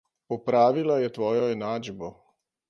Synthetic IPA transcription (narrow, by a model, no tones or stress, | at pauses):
pɔpɾaːʋilajɛt̪ʋoːjɔɛnaːd͡ʒbo